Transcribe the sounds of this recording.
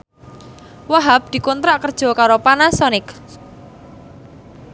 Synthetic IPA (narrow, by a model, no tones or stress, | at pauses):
waɦab̚d̪̥i̤kɔnt̪ɾaʔkərd̥ʒ̥ɔ̤kaɾopanasɔnɪk